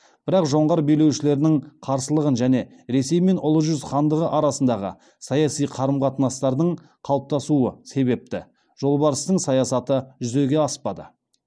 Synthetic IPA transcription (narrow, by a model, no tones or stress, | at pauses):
b̥ɪɾɑqʒo̞ɴʁɑɾbejle̞wʃɪle̞ɾɪnɪŋqʰɑɾsəlˠəʁənʒæne̞ | ɾe̞se̞jme̞nʔʊlˠəʒʏzχɑnd̪əʁəʔɑɾɑsənd̪ɑʁə̰ | sɑjɑsijqʰɑɾəmqɑt̪ənɑst̪ɑɾd̪əɴ | qʰɑwˠəp̚t̪ɑsuəse̞βe̞p̚t̪ɪ̰ | ʒ̥o̞lˠbɑɾəst̪əɴsɑjɑsɑt̪əʒʏze̞ɡʲe̞ɑspɑd̪ə̰